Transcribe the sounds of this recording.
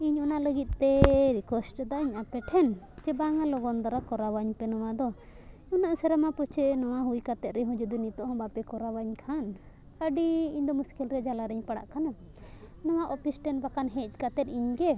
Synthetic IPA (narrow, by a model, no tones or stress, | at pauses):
iɲɔnaʔləɡit̪̚t̪ɛɾikwɛsʈd̪aʔiɲapɛʈʰɛn | t͡ʃɛbaŋalɔɡɔnd̪aɾakɔɾawaɲpɛnɔwad̪ɔ | ɔnaʔsɛɾamapɔt͡ʃʰɛnɔwaɦujkat̪ɛt̪̚ɾɛɦɔ̃d͡ʒud̪unit̪ɔʔɦɔ̃bapɛkɔɾawaɲkʰan | əɖiiɲd̪ɔmuskilɾɛd͡ʒalaɾɛɲpaɽa̰ʔkana | nɔwaʔɔpisʈɛnbakanɦɛt͡ʃkat̪ɛt̪̚iɲɡɛ